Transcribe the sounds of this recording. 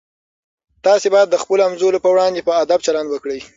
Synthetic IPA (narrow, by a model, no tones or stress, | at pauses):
t̪ɑsebɑjad̪ːəxpəloamzolopəwɽɑnd̪epəad̪ab̚t͡ʃaland̪wəkɽəj